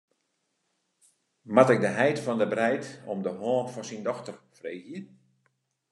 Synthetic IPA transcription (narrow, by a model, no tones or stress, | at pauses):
matɪk̚dəɦɛjtfɔndəbrɛjtɔmdəɦɔːfɔnsindɔxtərfrejɦin